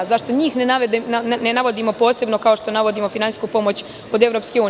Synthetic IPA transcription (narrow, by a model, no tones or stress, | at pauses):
zaʃt̪o̞ɲiːxnenaʋed̪ennenaʋod̪imo̞po̞ːse̞bno̞kao̞ʃt̪o̞naʋo̞d̪imo̞finani̥skupo̞mo̞t͡ɕ | o̞d̪e̞ʋɾo̞pskeuː